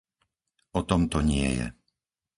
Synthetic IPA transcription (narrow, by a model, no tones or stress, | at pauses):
ɔt̪ɔmt̪ɔɲɪɛ̰jɛ̰